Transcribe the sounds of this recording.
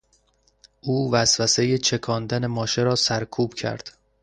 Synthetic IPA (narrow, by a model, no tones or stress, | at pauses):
ʔuːvæsvæse̞jet͡ʃʰe̞kʰɒːnd̪æne̞mɒːʃe̞ɾɒːsæɾkʰuːb̥cʰæ̰ɾd̪̥